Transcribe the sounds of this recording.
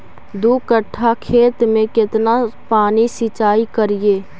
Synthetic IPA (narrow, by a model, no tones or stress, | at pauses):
d̪ukəʈʰːakʰeːt̪mẽkɪt̪napaːnisit͡ʃaːikəɾijeː